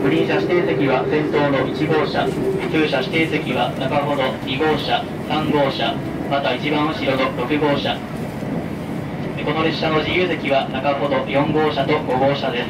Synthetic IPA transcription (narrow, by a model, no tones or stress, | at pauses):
ɸɯ̟ɾʲĩɕaɕi̥t̪e̞ːse̞kʲiβ̞asẽ̞nt̪o̞ːno̞ʔit͡ɕiɡo̞ːɕakɨ̟ːɕaɕi̥t̪e̞ːse̞kʲiβ̞anakaɦo̞d̪o̞ɲʲiɡo̞ːɕa | sãŋɡo̞ːɕa | mat̪ait͡ɕibãɰ̃o̟ɕiɾo̞no̞ɾo̞kɯ̟ɡo̞ːɕa | eko̞no̞ɾe̞ɕːano̞ʑijɯ̟ːs̬e̞kʲiβ̞anakaho̞d̪o̞jõ̞ŋɡo̞ːɕat̪o̞ɡo̞ɡo̞ːɕad̪e̞sɨ̥